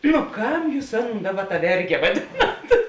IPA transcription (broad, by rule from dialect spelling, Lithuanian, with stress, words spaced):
nʊ ˈkɐm ˈjuːs ˈɑːˌnoːn ˈdɑːˌbɐ tɐ ˈʋʲɛrʲɡʲɛ ʋɐˈdʲɪnɐt